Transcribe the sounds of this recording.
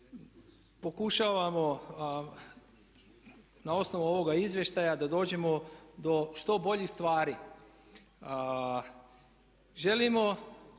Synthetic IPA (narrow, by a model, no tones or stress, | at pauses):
po̞kuʃaʋamo̞ | nao̞sno̞ʋuo̞ʋo̞ɡaizʋje̞ʃt̪ajad̪ad̪o̞ːd͡ʑe̞mo̞d̪o̞ʃt̪o̞bo̞ʎixst̪ʋaːɾi | ʒe̞limo̞